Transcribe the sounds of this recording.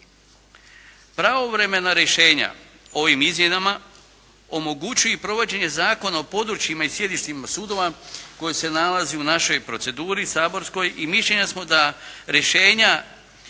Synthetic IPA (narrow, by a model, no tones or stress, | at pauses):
pɾao̞ʋɾe̞me̞naɾeʃe̞ːɲa̰ | o̞ʋimizmje̞nama | o̞mo̞ɡut͡ɕujepɾo̞ʋo̞d͡ʑe̞ɲe̞zaːko̞nao̞po̞d̪ɾut͡ɕjimaisje̞d̪iʃt̪imasuːd̪o̞ʋako̞jese̞nalazeunaʃo̞jpɾo̞t̪se̞d̪uːɾisaːbo̞ɾsko̞jʔimiʃʎe̞ɲasmo̞d̪aɾje̞ʃe̞ːɲa